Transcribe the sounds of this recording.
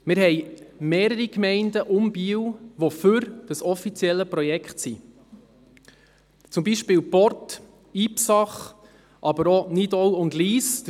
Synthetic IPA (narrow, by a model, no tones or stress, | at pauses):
mɪɾɦɛjmeːɾəɾikmɛɪndəʔʊmbiəwʋofʉɾd̥əsɔfit͡siɛlːəpɾɔjɛkχtsi | t͡sʊmbiʃpɪːwpɔɾt | iːpsɑχ | ʔɑbəɾɔnidɔwʊndliːst